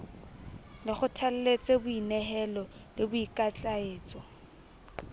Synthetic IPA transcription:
lɪχʊtʰal̩let͡sʼebʊinɛɦɛlɔlɪbʊikʼat͡ɬʼaeːt͡sʼɔ

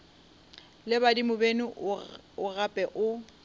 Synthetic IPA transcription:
lɪbadimʊbenʊʊɣapʼɛʔʊ

